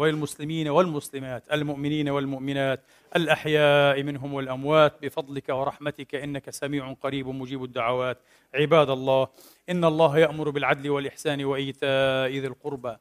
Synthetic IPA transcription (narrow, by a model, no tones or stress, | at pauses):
almʊslɪmiːnawɪlmʊslɪmaːt̪ʔalmʊʔmɪniːnawɪlmʊʔmɪnaːt̪̚ | ʔalʔaħjaːʔmɪnɦʊmwɪlʔamwaːt̪̚bɪfɑd̪ˤlɪkawɪɾˤɑħmat̪ɪkaʔɪnːakasamiːʕʊqɑɾiːbmʊd͡ʒiːbad̪ːaʕawaːt̪̚ | ʕɪbaːd̪ɑlˤːɑːh | ʔɪnːɑlˤːɑːɦjaʔmʊɾbɪlʕad̪lɪwɪlʔɪħsaːnwaʔajːt̪aːʔɪðalqʊɾba